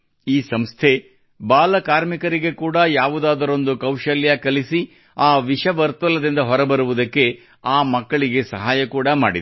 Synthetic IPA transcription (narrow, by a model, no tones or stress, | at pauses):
iːsɐmst̪ʰe̞ | baːlɐkaːɾmikɐɾiɡe̞kuːɽɐjaːʋud̪aːd̪ɐɾo̞nd̪ukɐwʃɐljɐkɐlisi | aːʋiʂɐʋɐɾt̪ɐlɐd̪ind̪ɐɦɔɾɐbɐɾuʋud̪ɐkːe̞ | aːmɐkːɐɭiɡe̞sɐɦaːjɐkuːɽɐma̰ːɽid̪